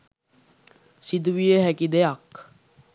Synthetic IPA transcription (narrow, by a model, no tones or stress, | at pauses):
sid̪uʋijəɦækid̪ejak